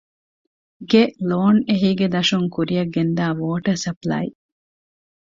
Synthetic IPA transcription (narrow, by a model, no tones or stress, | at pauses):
ɡeloːneɦiːɡed̪ɐʃuŋkuɾijɐɡːend̪æːʋoːʈɐɾsɐplɐ̰ḭ